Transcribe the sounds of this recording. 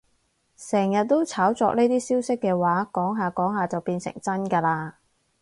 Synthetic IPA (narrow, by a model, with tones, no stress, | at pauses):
sɛː˨˩ŋjɐ˨t̚t̪o˥wt͡sʰaː˨˥wt͡sɔ̰ː˧k̚ne˥t̪iː˥siː˥wsɪ˥kːɛː˧waː˨˥kɔː˨˥ŋɦaː˨kɔː˨˥ŋɦaː˨t͡sɐ˨wpiː˧nsɪ̰˨˩ŋt͡sɐ˥nkaː˧laː˧